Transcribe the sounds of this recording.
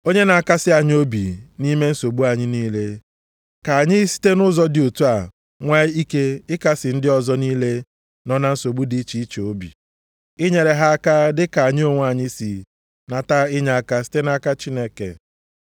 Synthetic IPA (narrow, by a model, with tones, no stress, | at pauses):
o˦ɲe˦na˨a˨ka˦sɪ˦a˨ɲ˦o˦bḭ˨ni˦me˦n̩˦so˨ɡ͡bu˦a˨ɲɪ˦niː˦le˦ | ka˨a˨ɲɪ˦si̥˦te˦nʊ˦zɔ˦dɪ˨o˨tu˦a˨ | ŋʷe˦i˦ke˦ɪ˦ka˦sɪ˨n̩˦dɪ˦ɔ˨zɔ˦niː˦le˦ | nɔ˦na˦n̩˦so˨ɡ͡bu˦di˦t͡ʃi˦t͡ʃo˦bḭ˨ | ɪ˦ɲe˨ɾe˨ɦa˦ka˦dɪ˦ka˨a˨ɲɪ˦o˦ŋʷ˦a˨ɲɪ˦si˨ | na˨ta˦ɪ˦ɲa˨ka˦si̥˦te˦n˦a˦ka˦t͡ʃi˦ne˦kḛ˨